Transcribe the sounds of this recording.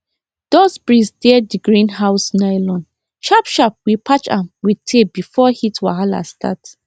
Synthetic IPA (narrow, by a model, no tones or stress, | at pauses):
d̥ɔsbɹisdɛddiɡɹĩnɦaʊsnajlɔ̃nd | ʃapʃap̚wipʰat͡ʃã̰mwitʰebifɔhitʰwa̰ɦala̰stʰa̰t